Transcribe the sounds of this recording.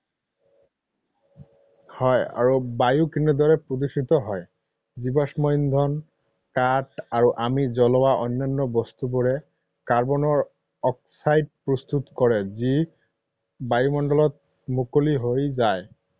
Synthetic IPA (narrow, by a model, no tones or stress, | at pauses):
hɔja̰ɹubajukinɛd̪ɔɹɛpɹodisit̪ɔɦɔj | zibɔsmɔjnd̪ʱɔn | kataɹuʔamizɔlɔwaʔɔnːanːɔbɔst̪ubɔɹɛ | kaɹbɔnɔɹ | ɔk̚sajd̚pɹɔst̪ut̪kɔɹɛzi | bajumɔndɔlɔt̚ | mukoliɦojzaj